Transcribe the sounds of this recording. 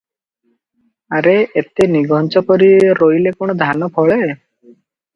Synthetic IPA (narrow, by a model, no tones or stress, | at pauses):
aɾeet̪eniɡʱɔnt͡ʃɔpɔɾiɾojlekoɽ̃ɔd̪ʱanɔpʰɔɭe